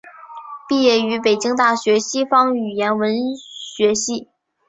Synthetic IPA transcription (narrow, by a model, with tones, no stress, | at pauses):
pi˥˧jɛ˥˩y˧˥p̬e˨˩ɪt͡ɕi˥ŋt̪a˥˩ɕɥɛ˧˥ɕi˥fɑ˥ŋy˨˩jɛ˧˥nwə˧˥nɕɥɛ˧˥ɕi˥˩